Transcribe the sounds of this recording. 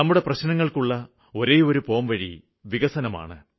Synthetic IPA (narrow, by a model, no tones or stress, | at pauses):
nɐmːuɽe̞prɐɕnɐŋːɐɭkuɭːɐ | oɾe̞jo̞ɾupo̞ːmʋɐɻḭ | ʋiɣɐsɐnɐma̰ːɳɨ